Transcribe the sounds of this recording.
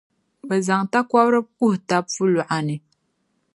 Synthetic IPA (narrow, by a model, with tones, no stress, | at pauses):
bə˨za˨ŋta˦kwa˦bɾɨ˦ku˦hta˦pfu˦lu˨ʔa˨nɨ˨